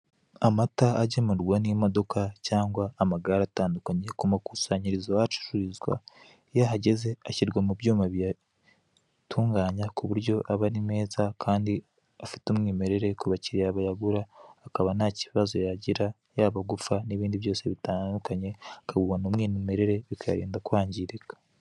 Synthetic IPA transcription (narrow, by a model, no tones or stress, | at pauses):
amataːɟemuɾɡwanijimodo̞kʰacaːŋɡwaːmaɡaɾataːndukaɲekumakusaːɲiɾizaat͡ʃu̥ʃuizɡwa̰ | jaɦaɟe̞ze̞aciɾɡwamubjuːmaβija | tʰuːŋɡaːɲakuβuɾɟo̞ʔaβaɾime̞ːzakʰaːndi | afi̥tumŋiːme̞ɾe̞ɾe̞kuβaciɾijaβajaɡuɾaːkaβanaciβiβazo̞jaɟiɾa | jaːβaɡufaniβiːndiβjo̞ːse̞βitaːndukaɲe̞akaɡuwanomŋiːnume̞ɾe̞ɾe̞βikaja̰ɾḭːndakwaːɲɟiɾekḁ